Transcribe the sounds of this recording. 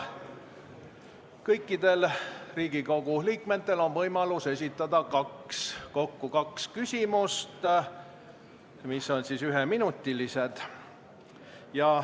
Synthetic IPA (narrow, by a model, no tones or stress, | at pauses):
kɤjkːˑid̪̥e̞lriːɡ̥ikoɡ̥uliːkme̞t̪ːe̞lo̞nvɤjmɑluse̞s̬ʲit̪ːˑɑd̪̥ɑkɑksko̞kːukɑkskysʲimust̪ | miso̞nsisyɦeminut̪ːˑilise̞d̪̥ | jɑ